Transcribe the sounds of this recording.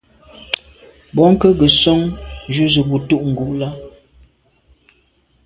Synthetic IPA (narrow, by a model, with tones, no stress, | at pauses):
bɔ˨˦ŋ̩˦kə˦ɡə˨sɔ˦ŋd͡ʒu˦zə˨bu˨tu˦˨ʔŋ̩˨ɡu˨ʔla˦